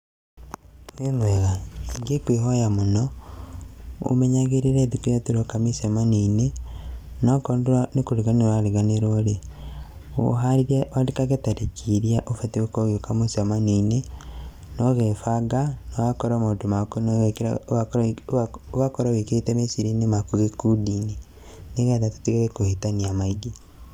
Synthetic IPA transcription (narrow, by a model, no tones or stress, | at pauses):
wwemweɣaiŋɡekweɦojamonɔ | o̰meɲaɣeɾiɾeðikojatiɾokamisamaniːne | nokonduɾanekoɾiɣaneɾaɾiɣaneɾoɾe | o̰ɦaɾiɾawandekaɣetaɾekʰiɾiaʔofateokoɣeokamosamaniːne | nɔɣefaɡanoakɔɾamondomakon | oɣakɔɾaweketɛmesiɾinemakuɣekudiːne | neɣɛndatu̥tiɣeɾekohitaniamaiɡi